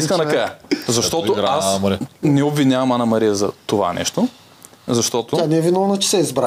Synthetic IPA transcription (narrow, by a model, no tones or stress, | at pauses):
iskənɐkajəzɐʃt̪ɔt̪ʊasmɾinɛobvinʲavɐmanɐmɐɾijəzɐt̪ova̰nɛ̰ʃt̪o | zɐʃt̪ɔt̪ʊanɛvinolˠnɐt͡ʃɛ̥sɛizbɾa